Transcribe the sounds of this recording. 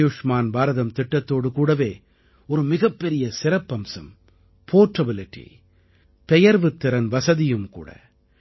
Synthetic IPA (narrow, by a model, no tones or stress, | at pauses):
juːʂmaːnbaːɾɐðɐmt̪ɪʈːɐt̪ːoːɽɯkuːɽɐʋeː | ɔɾɯmɪɣɐpːɛɾɪjɐsɪɾɐpːɐmsɐ̰m | pʰoːʈɐbɪlɪʈːḭ | pɛjɐɾʋɯt̪ːɪɾɐnʋɐsɐðɪjɯmkṵːɽɐ̰